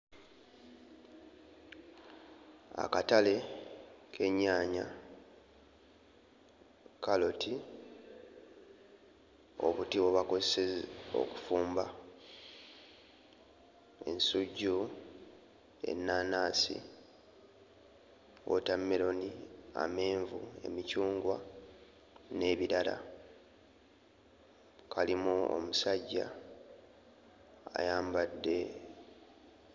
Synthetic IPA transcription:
a̰katale̞ | kʰe̞ɲːaːɲa̰ | kalo̞tʰi | o̞̰βutiwoβakozeseo̞̰ku̥fuːmba | e̞̰nsuɟːu | e̞̰nːaːnaːsḭ | o̰tamːeɾo̞nia̰me̞ːɱvue̞̰micuːŋɡwa | ne̞ːβiɾala̰ | kʰalimuo̰musaɟːa̰ | jaːmbadːe̞

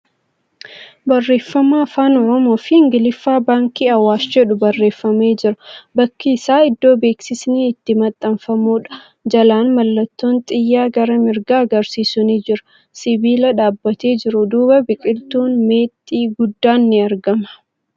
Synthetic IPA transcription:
bɐrːe̞ːfːɐmaːfaːnɔɾɔmoːfɪɪŋɡɪlɪfːaːbaːŋkiːɐwːaːsd͡ʒɛᶑʊbɐrːe̞ːfːɐme̞ːd͡ʒɪɾɐbɐkːiːsaːɪd̪ːo̞ːbe̞ːksɪsniɪt̪ːɪmɐt̪ʼːɐɱfɐmuːᶑɐ̥ | d͡ʒɐlaːnmɐlːɐt̪ːoːnt̪ʼɪjːaːɡɐɾɐmɪɾɡaːɐɡɐɾsiːsʊniːd͡ʒɪɾʊ̥ | sɪbiːlɐᶑaːbːɐt̪e̞ːd͡ʒɪɾʊd̪uːbɐbɪkʼɪlt̪uːnme̞ːt̪ʼːiːɡʊd̪ːaːnːɪɐɾɡɐmɐ̥

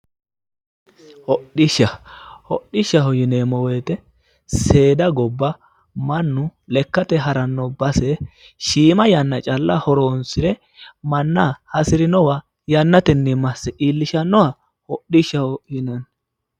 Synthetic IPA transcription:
hɔɗɪʃɐhɔɗːɪʃːɐɦɔjɪneːmɔweːt̪ɛ | se̞ːd̪ɐɡɔbːɐ | mɐnːʊlɛkːɐt̪ɛɦɐɾɐnːɔbɐsɛ | ʃiːmɐjɐnːɐt͡ʃʼɐlːɐhɔɾoːnsɪɾɛ | mɐnːɐhɐsɪɾɪnɔwa | jɐnːɐt̪ɛnːimɐsːɛʔiːlːɪʃɐnːɔwɐ | hɔɗɪʃɐhɔjɪnɐn

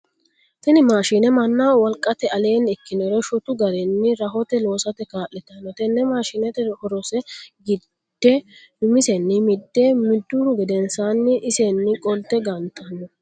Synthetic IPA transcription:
t̪ɐnɪmaːʃiːnɛmɐnːaːwɔlkʼːɐt̪ɛɐleːnɪkːɪnɔɾɔʃʊt̪ʊɡɐɾɛnːɪɾɐɦɔt̪ɛlo̞ːsɐt̪ɛkaːʔɛt̪ːɐnːɔt̪ɛnːɛmaːʃiːnɛt̪ɛhɔɾɔsɛɡɪ | d̪̥ːɛdʊmɪsɛnːɪmɪd̪ːemɪd̪ːʊɾɡɪd̪ɛnsanːɪʔɪsenːɪkʼɔlt̪ːɛɡɐnt̪ʰɐnːɔ

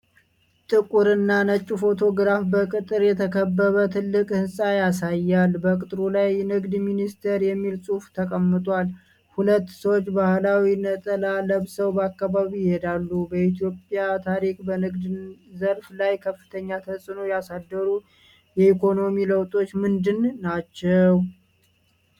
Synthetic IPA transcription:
t̪ʼɨkʼuɾɨnːanət͡ʃʼːufo̞t̪ʰo̞ɡɨɾafbəkʼɨt̪ʼɨɾjɛt̪ʰəkʰəbːəβət̪ʰɨlːɨkʼhɨnsʼajasajːalbəkʼɨt̪ʼɾulajnɨɡd̪minist̪ʰɛɾjɛmːilsʼuft̪ʰəkʼəmːɨt̪ʼal | hulət̪ːsəwot͡ʃːbahlawinət̪ʼəlaləβsəwbəakːaβaβiɪhed̪alːubəit̪ʰijo̞pʼjat̪ʰaɾikʼbənɨɡd̪zəɾflajkʰəfːɨ̥t̪ʰəɲːat̪ʰəsʼɨnojasad̪ːəɾu | jɛikʰo̞no̞miləwt̪ʼo̞t͡ʃːmɨnd̪ɨnːat͡ʃːɛw

